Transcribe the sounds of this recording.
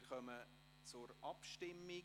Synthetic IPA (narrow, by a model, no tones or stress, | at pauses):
rχœmə | t͡sʊɾʔɑpʃtɪmːɪ